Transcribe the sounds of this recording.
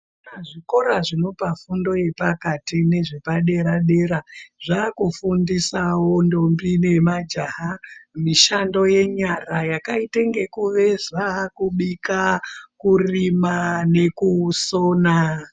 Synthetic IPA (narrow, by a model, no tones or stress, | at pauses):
aʐiko̞ɾaʐino̞pafundo̞je̞pakatine̞ʐepaɗe̞ɾaɗe̞ɾaʐaːkufundisawondo̞mbine̞mad͡ʒaɦamiʃando̞je̞ɲarajakaiteŋɡe̞kuʋe̞zakuɓikakurimane̞kuso̞ːna